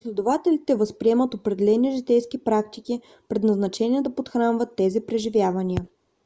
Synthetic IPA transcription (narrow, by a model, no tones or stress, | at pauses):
slʲɛd̪ovat̪ɛlit̪ɛvəspɾiɛmət̪opɾɛd̪ɛlɛniʒɛt̪ɛjsk̟ipɾakt̪iki | pɾɛd̪nɐznɐt͡ʃɛnʲiɛd̪ɐpot̪xɾanvət̪ːɛzipɾɛʒivʲjavɐniə